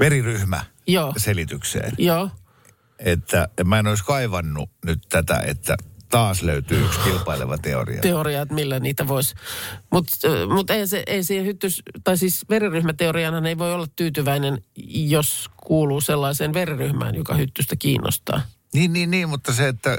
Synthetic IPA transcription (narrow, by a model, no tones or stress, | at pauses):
ʋeriryhmæ̰ | joːselit̪yksḛːnjoː | et̪ːæemæinoˑiskɑiʋɑnːunyt̪t̪æt̪æ̰ḛt̪ːæ̰t̪ɑːsløyt̪yːykskilpɑilḛʋɑt̪ḛo̰rḭɑ̰t̪eoriɑt̪milːæniːt̪æʋoisʲmut̪mut̪eihænseʔeisiːhehyt̪ːyst̪ɑisiːsʋeriryhmæt̪eoriɑnhɑneiʋoiolːɑt̪t̪yːt̪yʋæinenjoskuːluːselːɑiseːnʋeriryhmæ̰ːnjokɑ̰hyt̪ːyst̪ækḭːnːʔo̰st̪ɑ̰ː | niːnniːnniːmmut̪ːɑseet̪ːæ